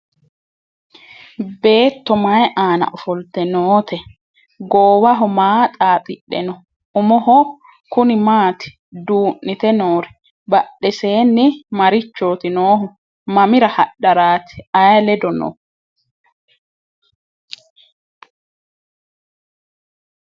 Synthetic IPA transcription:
be̞ːt̪ːɔmɐjʔaːnɐ̰ʔɔfɔlt̪ɛnoːt̪ɛ | ɡoːwɐɦɔmaːt̪ʼaːt̪ʼɪɗːɛ̰nɔ | ʊmɔɦɔ | kʊnɪmaːt̪ɪ̥ | d̪uːʔːɪt̪ɛnoːɾɛ | bɐɗɛseːnːɪmɐɾɪt͡ʃːoːt̪ɪnoːɦɔ | mɐmɪɾɐhɐɗɐɾaːt̪ɪ̥ɐjɐlɛd̪ɔnɔ̰

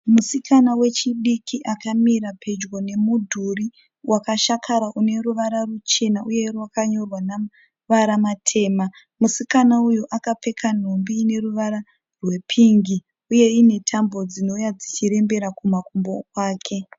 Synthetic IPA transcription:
musikanawe̞t͡ʃiɗikʰiʔakamiɾapʰe̞d͡ʒɡo̞ne̞mudʱuri | wʔakaʃakʰaɾaʔune̞ɾuʋaɾarut͡ʃe̞naʔuje̞rwakaɲo̞rwana | ʋaɾamatʰe̞ːma | musikanaujoʔakape̞kʰan̤o̞mbiːne̞ruʋaɾa | rwe̞pʰiŋɡi | uje̞ine̞tʰambo̞d͡zino̞jad͡zit͡ʃiɾe̞mbe̞ɾakumakumbokwaːkʰe̞

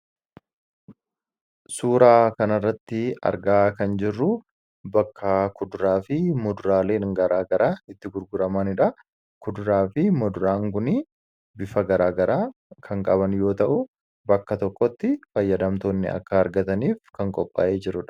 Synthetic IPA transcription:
suːɾaːkɐnɐrːɐt̪ːɪɐ̰ɾɡaːkɐnd͡ʒɪrːʊ | bɐkːɐkʊd̪ʊɾaːfɪmɔd̪ʊɾaːleːnŋɡɐɾaːɡɐɾaːɪt̪ːɪɡʊɾɡʊɾɐmɐnɪᶑɐ | kʊd̪ʊɾaːfɪmɔd̪ʊɾaːŋɡʊni | bɪfɐɡɐɾaːɡɐɾaː | kʰɐŋkʼɐbɐnjo̞ːt̪ɐʔʊ | bɐkːɐt̪ɔkʼːɔt̪ːɪfɐjːɐd̪ɐmt̪oːnːɪ̰ɐ̰kːɐːɾɡɐt̪ɐniːfkɐŋkʼɔpʼːa̰ːʔeːd͡ʒɪɾʊᶑɐ̥

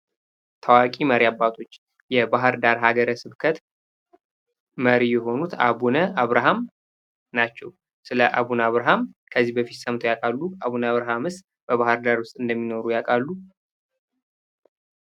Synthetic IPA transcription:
t̪ʰəwakʼiməɾiabːat̪ʰo̞t͡ʃː | jɛbaɦɨɾd̪aɾɦaɡəɾəsɨβkʰət̪ | məɾijɛɦo̞nut̪ʰa̰βunəaβɾaɦam | nat͡ʃːɛw | sɨləʔa̰βunaβɾaɦamkʰəzːihbəfit̪səmt̪ʰjakʼalːuaβunaβɾaɦamɨst̪ | b̥əβahɨɾd̪aɾwʊst̪ʼɨnd̪əmːino̞ɾujakʼalːu

